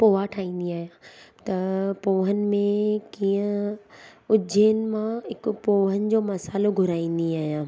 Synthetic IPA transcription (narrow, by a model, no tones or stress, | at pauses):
poːaʈʰaːĩːn̆d̪iaːɦijãt̪ɐpoːɦənɪ̆mẽkiːə̃ | ʊd͡ʑʱeːnɪ̆mãɦɪkʊ̆poːɦənɪ̆d͡ʑoːmɐsaːloɡʱʊɾaːĩːn̆d̪iaːɦijãː